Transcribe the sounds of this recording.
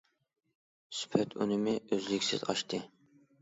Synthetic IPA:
sy̥pʰɛt̪ʰunɪmɪøzlɪkʲsɪ̰zɑ̰ʃt̪ʰɨ

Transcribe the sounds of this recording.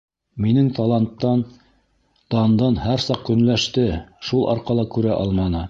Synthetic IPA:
minɘŋt̪ɑlˠɑnt̪ːɑn | t̪ɑnd̪ɤnhæɾsɑq̚kɵ̆nlæʃt̪ɘʃulˠʔɑ̰ɾqɑlˠɤkʉɾæʔɑlˠmɑnɤ

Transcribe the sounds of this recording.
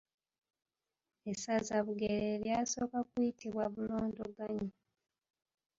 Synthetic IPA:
esazaβuɡeɾeljaso̞ːkakuitiβwaβuloːndoɡaɲo

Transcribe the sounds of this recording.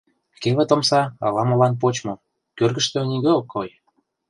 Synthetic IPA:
keβĕt̪omsɑɑ̰lɑmŏlɑnp̬ot͡ɕmo | kørɣə̆ʃt̪ø̆niɣøokʰːoj

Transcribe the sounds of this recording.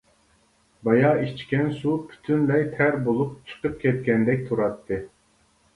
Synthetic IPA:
bɑjɑit͡ʃkʲɛnsupʰy̥t̪ʰynlɛjt̪ʰæɾbolˠup̚t͡ʃʰə̥qəp̚kʲʰɛt̪̚kʲɛnd̪ɛk̚ʲt̪ʰuɾɑt̪ʰːɨ

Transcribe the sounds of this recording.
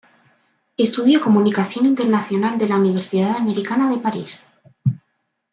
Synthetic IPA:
e̞st̪uðjoko̞munikaθjo̞nint̪eɾnaθjo̞nald̪e̞launiβ̞e̞ɾsiðaðame̞ɾikanaðe̞paɾis

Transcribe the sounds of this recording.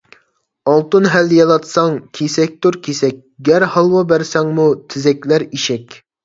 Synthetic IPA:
ɑlˠt̪ɨnɦæljɑlˠɑt̪sɑŋkʲʰesɛk̚ʲt̪oɾkʲʰesɛk̚ʲɡʲæɾhɑlˠwɑbæɾsɛŋmut̪ʰɪzɛkʲlæɾiʃɛkʲ

